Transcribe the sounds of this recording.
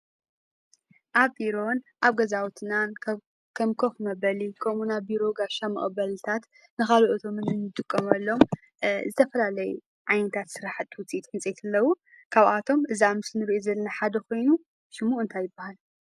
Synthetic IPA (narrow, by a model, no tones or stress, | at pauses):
ʔaβbiɾo̞nʔaβɡɐzawt̪ʰnan | kʰɐmkʰɐxnɐbɐlikʰomunabiɾo̞ɡaʃamɐ̰ʔʼbɐlɨt̪ʰat̪ | nɨxaloʔot̪ʰomɨnɨnɨt̪ʼɨkʼːɐmɐlːo̞m | zɨt̪ʰɐfɐlalɐjṵ | ʕajnɐt̪ʰat̪sɨɾaħɨt̪ːwʊt͡sʼit̪ħɨnt͡sʼet̪ʰɨlːɐwu | kʰaβʔat̪ʰo̞mʔɨziamɨsnɨɾiʔozɐlnaħad̪ɐkʰo̞jnu | ʃɨmuʔɨnt̪ʰajɪbahal